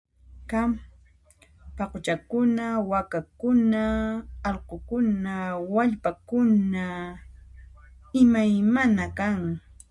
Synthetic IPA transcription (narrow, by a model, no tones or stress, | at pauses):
kam | pɑqot͡ʃakʊnawakakʊnaːlqokʊnawaʎpakʊna | ɪmajmanakaŋ